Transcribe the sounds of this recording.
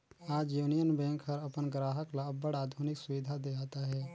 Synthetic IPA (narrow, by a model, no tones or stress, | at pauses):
aːd͡ʒjuːnijənbɛ̃ːŋkɦəɾəpənɡɾaːɦəklaəbəɽaːd̪ʱuːnɪksʊʋɪd̪ʱad̪eaːt̪aɦɛː